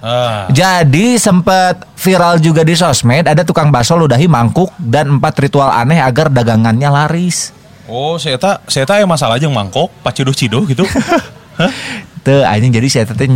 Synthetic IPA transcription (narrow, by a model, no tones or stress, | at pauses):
əd͡ʒadisəmpət̪̚ | fiɾald͡ʒuɡadis̬ɔsmɛd̪adat̪ukaŋbasɔludaɦimaŋkʊk̚danəmpat̪rit̪uala̰nɛɦaɡardaɡaŋanɲalaɾɪs | ɔset̪aset̪ajamasalahd͡ʒaŋmaŋkɔk̚pat͡ʃidʊht͡ʃidɔhɡit̪u | hət̪əa̰ɲad͡ʒadisat̪at̪ɛ